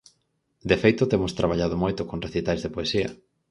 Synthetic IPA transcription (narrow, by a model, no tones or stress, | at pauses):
d̪efejt̪ʊt̪emost̪ɾaβ̞aʎað̞omojt̪okonreθit̪ajzðepoesiɐ̰